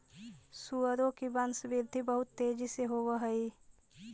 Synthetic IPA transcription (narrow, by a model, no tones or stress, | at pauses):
suəɾõkibənsbiɾd̪ʱibəɦʊt̪ːeːd͡ʒiseɦowəɦəi